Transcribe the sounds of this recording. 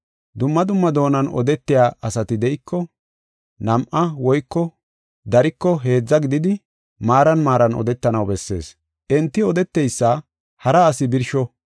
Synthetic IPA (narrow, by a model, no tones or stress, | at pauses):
d̪ʊmːɐd̪ʊmːɐd̪o̞ːnɐnɔ̰d̪ɛt̪ːɪjaːʔɐsɐt̪ɪd̪ɛjɪkʰːɔ | nɐmʔɐwɔjkːɔ | d̪ɐɾɪkːɔɦe̞ːd͡zːɐɡɪd̪ɪd̪ɪ | maːɾɐnmaːɾɐnɔ̰d̪ɛt̪ːɐnɐwbɛsːe̞̰ːs | ʔɛnt̪ːɪɔd̪ɛt̪ːɛjsːa | hɐɾɐːsɪbɪɾʃɔ